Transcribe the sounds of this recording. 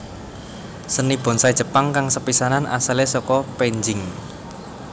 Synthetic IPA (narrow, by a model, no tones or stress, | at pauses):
sənib̥ɔ̤nsaid̥ʒ̥ə̤paŋkaŋsəpisananʔa̰səlesɔkɔpeɲd͡ʒɪŋ